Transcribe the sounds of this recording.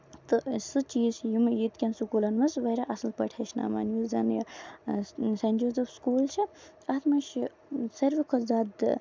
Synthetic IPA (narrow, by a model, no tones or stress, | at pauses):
t̪ɨsɨt͡ʃiːsjimjit̪kʲɐnsukulɐnʋɐsʋɐjɾaːʔɐsɨlpɐʈʰɐʃʰna̰ːma̰ːnjuzɐnj | sɐnd͡ʒoːzɐfskuːlt͡ʃʰi | ɐt̪ʰmɐʃ | sɐɾʋikʰozaːd̪